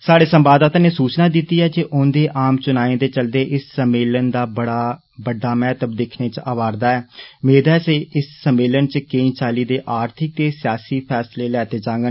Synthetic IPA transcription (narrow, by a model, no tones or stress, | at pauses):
saːɽeːsəmbaːd̪aːt̪aːneːsuːt͡ʃnaːd̪it̪iːɦɛːd͡ʒeʔʊ̃nd̪eːʔaːmt͡ʃʊnaːẽːd̪eːt͡ʃəld̪eːʔɪssəmeːlənd̪aːbəɽaː | bəɖːaːmɛːt̪əb̚d̪ɪkʰneːt͡ʃaːʋaːɾd̪aːɛːmeːd̪ɛːseːɪsːəmeːlənt͡ʃəkẽĩːt͡ʃaːliːd̪eːʔaːɾt̪ʰɪk̚t̪eːsɪjaːsiːpʰɛːsleːlɛːt̪eːd͡ʒãːŋɡən